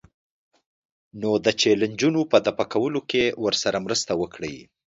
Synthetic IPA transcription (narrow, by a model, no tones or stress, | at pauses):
nod̪ət͡ʃeland͡ʒunopəd̪apakawəlokewəɾsaɾamɾəst̪awəkɽəji